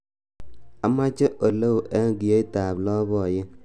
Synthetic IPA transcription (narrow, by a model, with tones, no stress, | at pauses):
a˦ma˦t͡ʃe˦ʔo˨lo˦wʔe˦ɡi˨je˦i˦taː˨blɔ˦bɔ˦˨je˦